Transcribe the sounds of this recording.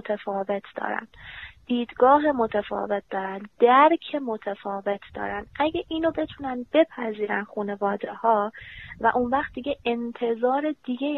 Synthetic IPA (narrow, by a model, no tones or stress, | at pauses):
ot̪ʰefɒːve̞t̪ʰd̪̥ɒ̰ːɾæ̰nd̪̥d̪̥iːd̪ɡɒːɦe̞mo̞t̪ʰefɒ̰ːve̞t̪̚d̪ɒːɾænd̪d̪̥æɾkʰemot̪ʰefɒːve̞t̪ʰd̪̥ɒ̰ːɾænd̪̥ʔæɟeʔiːnobe̞t̪ʰunænbe̞pʰæziːɾænxuːne̞vɒːd̪ehɒːvæ̰ʔunvæχt̪̚d̪iɟeʔent̪ʰe̞zɒːɾe̞d̪̥iɡe